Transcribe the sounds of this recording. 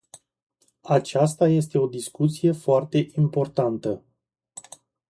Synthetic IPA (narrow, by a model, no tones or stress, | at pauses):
at͡ʃas̬t̪aje̞s̬t̪e̞o̞d̪iskut̪sije̞foart̪e̞ʔimpo̞rt̪ant̪ə